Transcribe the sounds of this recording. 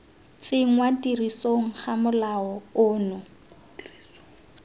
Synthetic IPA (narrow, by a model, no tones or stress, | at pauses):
t͡sɪŋ̩ŋwatʼirisoŋ̩χamʊlaɔʊːnʊ